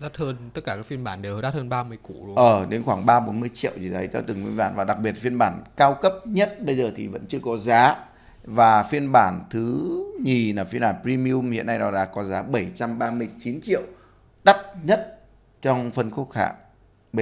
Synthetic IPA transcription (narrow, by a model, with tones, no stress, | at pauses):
ɗaː˦˥t̚həː˧nt̪ə˦˥t̚kaː˧˩kaː˦˥k̚fi˧ənɓaː˧˩nɗe˨˩wɗaː˦˥t̚həː˧nɓaː˧mɨ˧əjku˧˩lʔəː˨˩ɗe˨˦nxwaː˧˩ŋɓaː˧ɓo˨˦nmɨ˧əjt͡ɕḭ˧˨əwzi˨˩t̪ə˨˦jt̪a˧t̪ɨ˨˩ŋwḭ˧˦ɓa̰ː˧˩nvaː˨˩ɗa˨˩k̚ɓi˨˩ət̚fi˧ənɓaː˧˩nkaː˧wkə˦˥p̚ɲə˦˥t̚ɓə˧jzəː˨˩t̪ʰi˨˩və̰˧˥nt͡ɕɨ˧əkɔ˨˦zaː˨˦ | vaː˨˩fi˧ənɓaː˧˩nt̪ʰɨ˨˦ɲi˨˩naː˨˩fi˧nɓaː˧˩npɾi˧mi˧u˧mhḭ˧˨ənːa˧jɗɔ˨˦la̰ː˧˥kɔ˨˦zaː˨˦ɓə˧˩jt͡ɕa˧mɓaː˧mɨ˧əjt͡ɕi˨˦nt͡ɕḭ˧˨əw | ɗa˦˥t̚ɲə˦˥t̚ | t͡ɕɔ˧wŋ͡mfə˧nxu˦˥ət̚ha̰ː˧˨ʔ